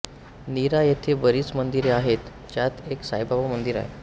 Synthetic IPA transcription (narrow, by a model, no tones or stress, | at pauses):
niɾajet̪ʰebəɾiːt͡smənd̪iɾeaɦet̪ | t͡ɕjat̪eksajbabamənd̪iɾa̰ḛ